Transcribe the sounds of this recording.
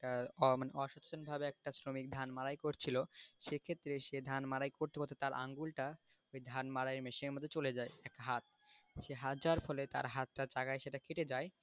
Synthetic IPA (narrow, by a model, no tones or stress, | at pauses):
aɔmaneʔɔʃɔtt͡ɕonbʱabeɛk̚ʈasɾomik̚d̪ʱanmaɾajkoɾt͡ɕʰiloʃekʰet̪ːɾeʃed̪ʱanmaɾajkoɾt̪epɔt̪ʰet̪aɾʔa̰ŋɡulʈa | ojd̪ʱanmaɾaeɾmeʃeɾmod̪ʱːet͡ɕoled͡ʑaeɛk̚ʈaɦat̪̚ | ʃeɦat̪̚d͡ʑaaɾfɔlet̪a̰ɾɦat̪̚ʈad͡ʑaɡaeʃeʈakʰiʈed͡ʑae